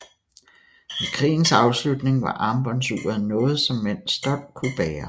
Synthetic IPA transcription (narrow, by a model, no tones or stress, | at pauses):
ʋekʰʁḭːn̩sɑ̈ʊslud̥ne̝ŋʋɑ̈ʔɑ̈ːmb̥ɒ̽nsyːɐðˠnɔ̽ːð̞̩ˠsɒ̽mːen̰sd̥ɒ̽b̥kʰub̥ɛːɐ